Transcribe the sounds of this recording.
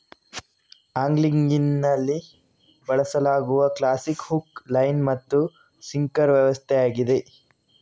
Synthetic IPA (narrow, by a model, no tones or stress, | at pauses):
aːŋɡliŋɡinːɐlːi | bɐɭɐsɐlaːɡuʋɐklaːsikhuklɐjnmɐt̪ːu | siŋkɐɾʋjɐʋɐst̪ʰɛaːɡid̪e̞